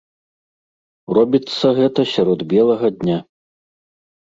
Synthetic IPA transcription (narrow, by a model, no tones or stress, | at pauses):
rɔbʲit̪sːɐɣɛt̪ɐsʲaɾɔd̪bʲjɛlˠɐɣɐd̪ʲnʲa